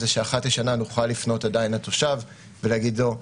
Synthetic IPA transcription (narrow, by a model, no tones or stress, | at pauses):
zeʃeaχatleʃananuχalːifno̞tadainato̞ʃav | velaɡidlo̞